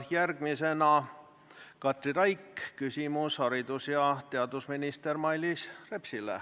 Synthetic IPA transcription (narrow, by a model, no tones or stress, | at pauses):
jærɡ̥mise̞nɑ | kɑt̪ˑriɾɑjkkysʲimushɑɾid̪̥usjɑt̪e̞ɑd̪usminist̪ermɑjlisre̞psilḛ